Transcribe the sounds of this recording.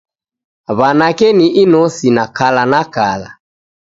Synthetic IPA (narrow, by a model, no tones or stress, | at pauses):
βanakɛniʔinɔsinakalanakala̰